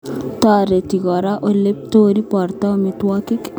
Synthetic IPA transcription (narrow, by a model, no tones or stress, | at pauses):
t̪aɾet̪iɡɔɾaʔolep̚t̪oːɾipɔɾt̪aomit̪wakik